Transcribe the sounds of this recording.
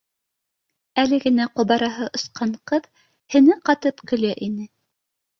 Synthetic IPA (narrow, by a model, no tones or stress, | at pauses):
ælɘɡɘ̆næqŏβɑɾɑɦɤʔŏsqɑɴqɤð | hɘ̆nɘqɑt̪ɤpkɵ̆læʔinɘ